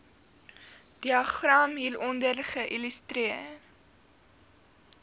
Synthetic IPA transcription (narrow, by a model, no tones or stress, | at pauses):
d̥iɑχrɑmɦilɔndərχəʔilystɾiər